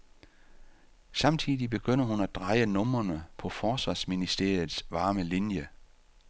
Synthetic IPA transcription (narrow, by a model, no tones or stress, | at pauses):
sɑ̈mt͡sʰiðˠib̥e̝ɡ̥øn̰ɐɦunæd̥ʁɑ̈ɪənɔ̽mɐnəpʰɒ̽fɒːsʋɑ̈ːsminisd̥e̝ɐ̰jð̩ˠsʋɑ̈ːməlinjə